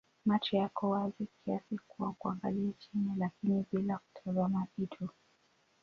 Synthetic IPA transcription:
mat͡ʃɛjakɔwazikʰiasikuwakuaŋɡaliat͡ʃinilakiniɓilaku̥tʰazamaʔitʰu

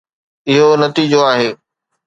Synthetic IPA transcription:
ɪɦonɐt̪iːd͡ʑoaːɦeː

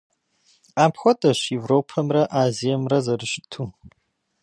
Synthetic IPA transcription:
aːpʰχʷɔtʼɐʃevropʰɐmrɐʔaːzijɐmrɐzɐrɨʃtʰu

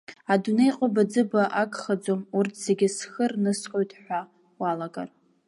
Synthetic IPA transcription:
adune̞jqʼabad͡zɨbaʔakʼχad͡zomurtʰz̥eɡʲɪsχərnɨsqʼojtʰʼħʷa | walaɡʼa̰r

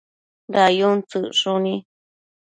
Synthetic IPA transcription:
d̪ajunt͡sɨʔʂunĩ

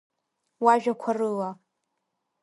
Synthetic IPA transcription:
waʒᶣakʷʰarɨla

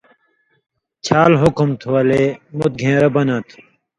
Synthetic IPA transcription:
t͡ɕʰaːlɦʊkumt̪ʰuwɐlemut̪̚ɡʱẽːɾɐbɐnɐt̪ʰ

